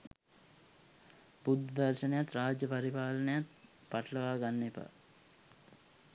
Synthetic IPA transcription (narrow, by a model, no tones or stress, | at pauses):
bud̪ʱːd̪aɾʃɐnəjat̪ɾaːd͡ʒjɐpɐɾipaːlɐnəjat̪ | paʈəlɐʋaːɡanːepa̰